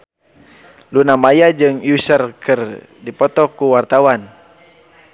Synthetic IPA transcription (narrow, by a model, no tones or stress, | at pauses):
lunamajad͡ʒɨŋjusərkʰɨr | dipɔt̪ɔkuwart̪awan